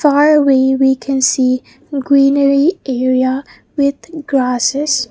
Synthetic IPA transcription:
faɹəweɪwikʰɨ̃nsi | ɡɹĩnəɹiʔɛɹiə | wɪð̥ɡ̥ɹasɪz̥

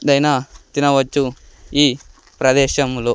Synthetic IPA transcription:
d̪ɐjnat̪inɐʋɐt͡ʃːuiː | pɾɐd̪ɛːʃɐmloː

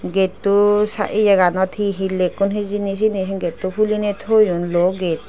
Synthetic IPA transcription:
ɡet̪usa̰ʔid͡ʒəɡanɔt̪ʰiɦilekunɦid͡ʒinis̬inisinɡet̪upʰulinet̪ʰojunloɡet̪

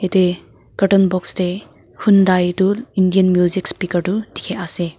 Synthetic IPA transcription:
ete | ɡ̥ɐtɔnbɔksde | hundajtulindijɐnmjuzikspikɐɾtudikʰease

